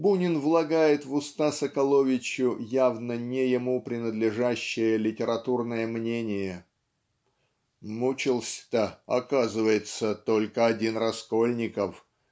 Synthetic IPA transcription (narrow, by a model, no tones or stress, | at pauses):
bunʲɪnvlˠɐɡajɪt̪vʊst̪asəkɐlˠovʲɪt͡ɕːʊjavnənʲɪjɪmupɾʲɪnəd̪lʲɪʐaɕːɪjəlʲɪtʲɪɾɐt̪urnəjəmnʲenʲɪjə | mut͡ɕɪlˠsʲt̪əɐ̰kazɨvəjɪt̪sət̪o̞lʲkəɐdʲinrɐsko̞lʲnʲɪkəf